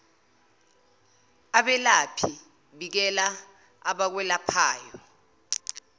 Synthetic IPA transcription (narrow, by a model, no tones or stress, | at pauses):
aɓɛlapʰi | ɓik̬ɛla | aɓak̬wɛlapʰaːjɔ